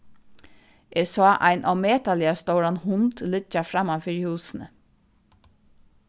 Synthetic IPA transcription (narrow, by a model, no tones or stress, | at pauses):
ʔɛsɔːʔa̰ɪnʔawmeːt̪alɪast̪oʊɾanhʊnt̪lɪt͡ʃafɾamːafiɾhuːsnə